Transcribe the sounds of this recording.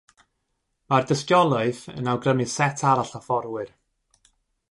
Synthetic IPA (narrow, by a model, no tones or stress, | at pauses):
mardəskjɔlˠʊɨθə̰nawɡrəmɨsɛtʰaɾaɬafɔrwɨr